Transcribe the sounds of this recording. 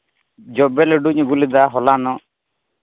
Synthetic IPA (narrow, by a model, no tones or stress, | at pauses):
d͡ʒɔbɛlɛɖuɲɔɡulid̪aɦɔlanɔ